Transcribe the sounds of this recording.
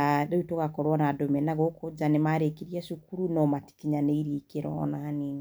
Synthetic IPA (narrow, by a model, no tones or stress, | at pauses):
doitoɣakɔɾwɔnadomɛnaɣokʰod͡ʒanemaɾekiɾiɛʃukuɾunɔmati̥kiɲaneiɾiːkeɾɔ̰naaniːŋ